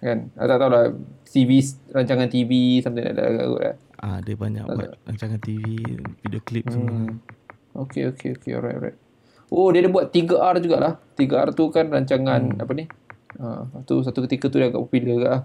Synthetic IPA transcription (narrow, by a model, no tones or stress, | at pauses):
kana̰t̪aʔt̪awlasivisraɲt͡ʃaŋant̪ivisamt̪ajda̰ʔda̰ɡa̰ɡo̰ʔla̰ | adəbaɲa̰ʔ̪aa̰ɾa̰ɲt͡ʃaŋant̪ivividioklip̚səm | okeokʰeo̰kḛɔ̰ɾa̰jt̪ɔ̰ɾa̰jt̪̚ | ʔodiədabuat̪̚ːiɡəʔard͡ʒuɡaʔlaht̪iɡəa̰rt̪ukanraɲt͡ʃaŋãna̰pəniə̰at̪ṵs̬at̪ukət̪ikət̪udiaɡa̰ʔpopuləɡaʔlah